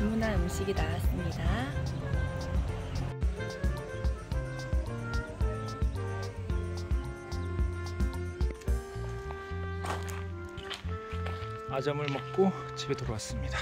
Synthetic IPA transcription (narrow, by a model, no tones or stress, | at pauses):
immunanmuɕʰiɡitawas͈ɯmɲida | ad͡ʑʌmɯɭmʌk̚k͈o | t͡ɕʰibetoɾowas͈ɯmɲid̥a